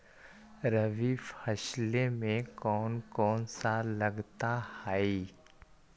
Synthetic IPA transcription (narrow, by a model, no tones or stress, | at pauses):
ɾɐʋifɐʃlemẽkɔːnkɔːnsalɐɡt̪ahaːi